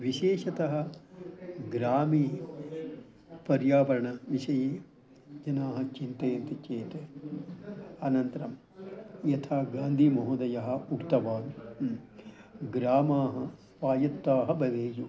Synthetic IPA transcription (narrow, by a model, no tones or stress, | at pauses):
ʋiʃeːʃɐt̪ɐɦɐ̆ | ɡɾaːmiː | pɐɾjaːʋɐɾɐɳɐʋiʃɐjeː | d͡ʒɐnaːɦɐt͡ʃint̪eːnt̪it͡ʃeːt̪e | ɐnɐnt̪ɐɾɐm | jɐt̪ʰaːɡaːnd̪ʱimɐɦud̪ɐjɐɦɐukt̪ɐʋaːnu | ɡɾaːmaːɦɐsʋaːjɐt̪ːaːɦɐbɐdeːju